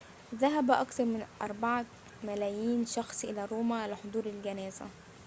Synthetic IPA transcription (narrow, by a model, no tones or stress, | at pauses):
ðæɦæbæʔɑkt̪ɑɾˤmɪnʔɑ̰ɾˤbɑʕa | mælæːjiːnʃɑxsˤʔɪlæːɾoːmælɪħod̪ˤuːɾɪlɡænæːzæ̰